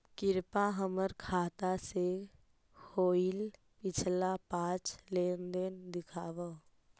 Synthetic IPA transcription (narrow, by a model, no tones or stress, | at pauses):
kɪɾpaɦəməɾkʰaːt̪ase | hʰoːil | pɪt͡ʃʰlapãːt͡ʃleːnd̪ənd̪ɪkʰaːʋə